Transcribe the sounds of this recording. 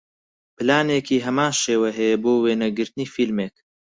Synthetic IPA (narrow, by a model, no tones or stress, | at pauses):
pɨlaːneːkiːɦɐmaːnʃeːwɐɦɛjɛboːweːnɐɡɨɾt̪ɨniːfilmeːk